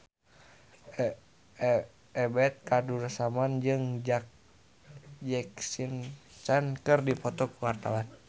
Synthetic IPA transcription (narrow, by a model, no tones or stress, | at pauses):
ɛbɛt̪̚kadursamand͡ʒɨŋd͡ʒa | d͡ʒɛksint͡ʃankɨrdipɔt̪ɔkuwart̪a̰wan